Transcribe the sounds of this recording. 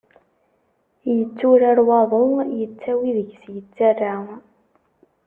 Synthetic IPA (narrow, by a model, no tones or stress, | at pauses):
jət͡sːuɾaɾwɑðˤojət͡sːæwiðəʝsjət͡sːarːa